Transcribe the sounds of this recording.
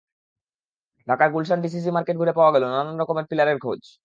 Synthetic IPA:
ɖʱakaɾɡulʃ̬anɖis̬is̬imaɾkeʈɡʱuɾepaoaɡɛlonananɾɔkomeɾpilaɾeɾɡʱod͡ʑ

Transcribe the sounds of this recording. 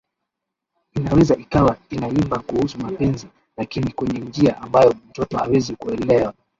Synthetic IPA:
inawɛzaʔikawainaimbakuhusumapɛnzi | lakinikwɛɲɛnd͡ʒiaʔambajɔm̩tɔtɔhawɛzikuɛlɛwa

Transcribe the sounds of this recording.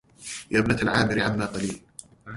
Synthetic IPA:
jaːbnaalʕaːmɪɾɪʕamːaːqɑliːl

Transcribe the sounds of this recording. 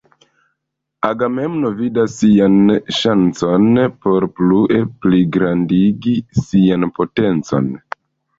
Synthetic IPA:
aɡame̞mno̞vidasːianʃant͡so̞npo̞ɾpluʔe̞pliɡɾandiɡisianpo̞te̞nt͡so̞̰n

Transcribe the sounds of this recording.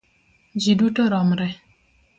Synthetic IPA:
d͡ʒidutoɾɔmɾɛ

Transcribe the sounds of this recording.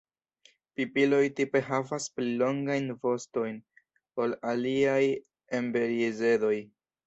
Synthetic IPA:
pipilo̞jtipe̞ɦavasplilo̞ŋɡajnvo̞sto̞jn | o̞laliaj | embe̞ɾiize̞do̞j

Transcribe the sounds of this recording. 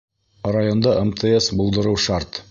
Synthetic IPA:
rajond̪ɑʔemt̪ʰeesbulˠd̪ɤ̆ɾɤwʃaɾt̪

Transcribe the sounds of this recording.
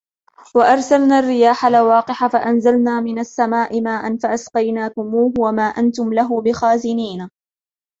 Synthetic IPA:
waʔɑɾˤsalnaːrːɪjaːħalwɑːqɪħafaʔanzalnaːmɪnasːamaːʔɪmaːʔanfaʔasqɑjnaːkʊmuːhwamaːʔant̪ʊmlaɦʊbɪxaːzɪniːna

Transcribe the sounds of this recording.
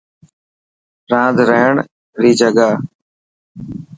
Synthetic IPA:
ɾãːd̪ɾəɦəɳ | ɾiːd͡ʒəɡaː

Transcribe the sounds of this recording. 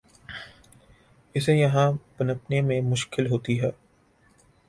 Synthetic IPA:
ɪsejɐɦãbɐnəpnemẽmʊʃkɪlɦoːt̪iɦɛː

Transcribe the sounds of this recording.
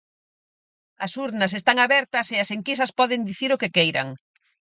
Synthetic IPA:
ɐsuɾnɐsest̪aŋaβɛɾt̪ɐseɐseŋkis̬ɐspɔðend̪iθiɾokekejɾɐ̰ŋ

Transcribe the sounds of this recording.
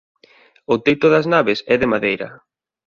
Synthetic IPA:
ʊt̪ejt̪ʊðɐznaβɪsɛðɪmaðejɾɐ̰

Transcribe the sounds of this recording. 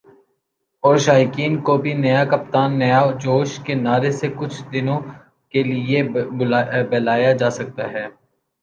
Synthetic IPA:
ɔːɾʃaːjkiːnkobʱinɐjakɐp̚t̪aːnːɐjad͡ʒoːʃkenaːɾesekʊt͡ʃʰd̪ɪnõ | kelɪe | bɛːlaːjad͡ʒaːsɐk̚t̪aɦɛː

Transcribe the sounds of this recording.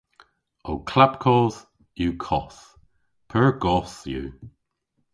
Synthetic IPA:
owkʰlapkʰɔːz̥ | juːkʰɔs | pʰəɹɡɔsjṵː

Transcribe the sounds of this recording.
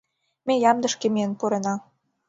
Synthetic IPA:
mejɑmd̪ə̆ʃkemeənpuɾenɑ

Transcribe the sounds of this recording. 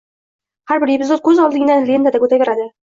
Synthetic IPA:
haɾbɪɾjepɪzot̪̚kʲʰɵzɒlˠd̪ɪŋnanlʲend̪ad̪akɵt̪avʲeɾad̪ɪ

